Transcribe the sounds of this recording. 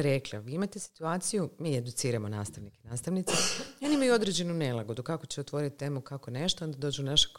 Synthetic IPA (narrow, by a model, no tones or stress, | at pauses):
ɾe̞klaʋiːimat̪esi̥t̪uaːt̪sijumiːe̞d̪ut̪siːɾamo̞naːst̪aʋnikenaːst̪aʋnit̪seonimajuo̞d̪ɾe̞d͡ʑe̞nune̞lˠaɡo̞d̪ukako̞t͡ɕeot̪ʋo̞ɾit̪̚t̪ːeːmukako̞ne̞ʃt̪oond̪ad̪o̞ːd͡ʑunaʃḁk